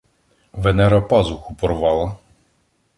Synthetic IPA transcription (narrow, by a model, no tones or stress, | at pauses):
ʋɛnɛɾɐpɑzʊxupɔrʋɑlˠɐ